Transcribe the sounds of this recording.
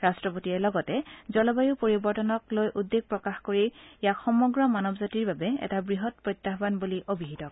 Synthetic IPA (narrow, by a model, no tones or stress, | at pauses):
ɹastɹɔpotiɛlɔɡɔtɛzɔlɔbajupoɹibɔɹtɔnɔklojʔudːeɡ̚pɹɔkaxkoɹijakxɔmɔɡɹɔmanɔbzatiɹbabɛɛ̰tabɹiɦɔt̚pɹɔt̪ːaɦbanbuliʔobiɦitɔk̚